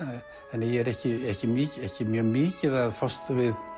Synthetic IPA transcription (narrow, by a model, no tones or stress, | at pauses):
ɛnːjɛɛɾɛhcɪɛhcɪmiːcɛhcɪmjœːmiːcɪðaðfɔst̪vɪð